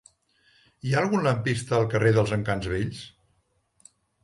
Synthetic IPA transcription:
iaəlˠɣunləmpist̪əːlˠkəreðəlˠzəŋkanzβeʎs

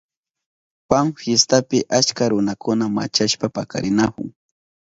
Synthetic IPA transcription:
paŋfjest̪apɪʔat͡ʃkaɾʊnakʰʊnama̰t͡ʃaʃpapaka̰ɾɪnakʊ̰ŋ

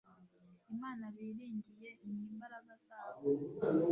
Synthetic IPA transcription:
imaːnaβiːɾiːɲɟije̞niːmbaɾaɡazaːβo

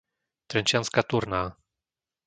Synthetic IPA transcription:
t̪ɾɛnt͡ʃjanskat̪uɾnaː

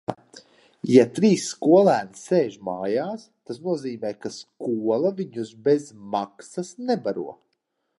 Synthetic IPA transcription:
jat̪ɾiːsːkuɔlˠæːnsseːʒma̰ːjaːst̪asnuɔziːmɛːkaskuɔlˠaviɲuzbezmaksasnɛbaɾuɔ

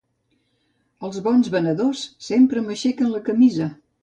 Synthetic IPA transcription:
əlˠzβɔnzβənəðosːempɾəməʃɛkənləkəmizə

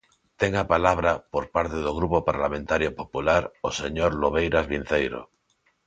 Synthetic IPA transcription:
t̪eŋapalaβ̞ɾapoɾpaɾt̪eðoɣ̞ɾupopaɾlamẽnt̪aɾjopopulaɾoseɲoɾloβ̞ejɾazβin̟θejɾo̰

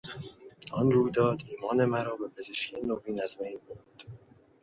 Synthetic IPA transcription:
ʔɒnruːjd̪ɒːd̪iːmɒːne̞mæɾɒːbe̞pʰe̞ze̞ʃcʰenoviːnæzmejnbond̪̥

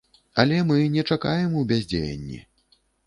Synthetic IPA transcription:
ɐlʲɛmɨnʲɛt͡ʂakajɛmuwbʲazʲd͡zʲḛjɐ̰nʲːḭ

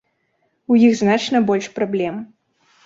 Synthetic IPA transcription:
ujixznat͡ʂnɐbɔlʲʂpɾablʲɛm

